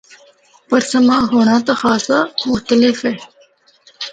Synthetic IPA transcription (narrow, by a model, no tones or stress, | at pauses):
pɐɾsɐmãːɦoːɳ̃ãːt̪axaːsamʊxt̪əlɪfeː